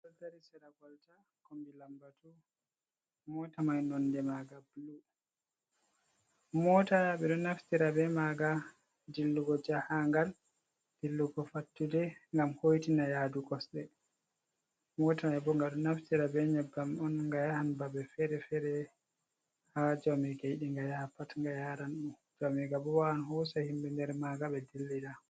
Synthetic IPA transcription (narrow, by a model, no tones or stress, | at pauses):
kɔltaɾisɛɾaɡɔlta | kombilambatu | mɔtamajnɔndɛmaɡabluɗ | mɔːtajaɓɛɗɔnaftiɾabɛmaɡa | dilːuɡɔd͡ʒahaŋɡal | d̥ilːuɡɔfatːudɛŋɡamhojtinajaduɡɔsɗɛ | mɔtaɛbɔŋɡaɗɔnaftiɾabɛɲɛbːamɔnŋɡajahanbabɛfɛɾɛfɛɾɛ | had͡ʒamiɡajɗiŋɡajahapatŋɡajaɾanɗun | d͡ʒamiɡabɔwaanɦɔsahimbɛndɛɾmaɡaɓɛdilːiɾa